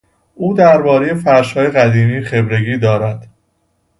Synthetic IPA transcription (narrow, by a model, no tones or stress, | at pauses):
ʔuːd̪æɾbɒːɾejefæɾʃhɒːje̞ɣæd̪iːmiːxe̞bɾe̞ɡiːd̪ɒːɾæd̪̥